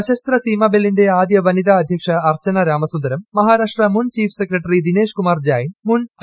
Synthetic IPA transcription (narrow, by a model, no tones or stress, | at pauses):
ɐʃɐst̪ɾɐsiːmɐbeliɳɖeaːd̪jɐʋɐnid̪aːɐd̪ʱjɐkʂɐːɾt͡ʃɐnɐɾaːmɐsund̪ɐɾɐmːɐɦaːɾaːʂʈɾɐmunt͡ʃiːpʰsekɾɐʈɐɾid̪ineːʂkumaːɾd͡ʒaːjinmun